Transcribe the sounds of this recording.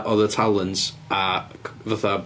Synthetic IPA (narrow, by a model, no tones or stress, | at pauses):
ʔɔðətʰalˠənts | avaθa